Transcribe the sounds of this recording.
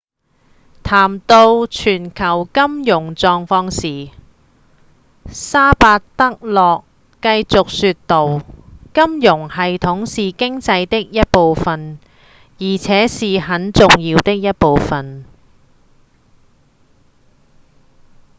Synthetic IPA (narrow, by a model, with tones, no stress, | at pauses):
t̪ʰaː˨˩mt̪o˧wt͡ʃʰyː˨˩nkʰɐ˨˩wkɐ˥mjʊ˨˩ŋt͡sɔː˧ŋfɔː˧ŋsiː˨ | saː˥paː˧tt̪ɐ˥k̚lɔː˨kː | ɐ˧jt͡sʊ˨k̚syː˧t̚t̪o˨˩wkɐ˥mjʊ˨˩ŋhɐ˨jt̪ʰʊ˨˥ŋsiː˨kɪ˥ŋt͡sɐ˧jt̪ɪ˥k̚jɐ˥t̚po˨wfɐ˨n | jiː˨˩t͡sʰɛː˨˥siː˨ɦɐ˨˥nt͡sʊ˨ŋjiː˧wt̪ɪ˥k̚jɐ˥t̚po˨wfɐ˨n